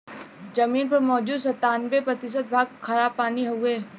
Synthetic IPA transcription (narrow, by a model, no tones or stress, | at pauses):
d͡ʒɐmiːnpɐɾmɔːd͡ʒuːd̪s̬ɐt̪aːnbepɾɐt̪ɪʃ̬ət̪̚bʱaːɡkʰːɐɾaːpːaːniɦɐeː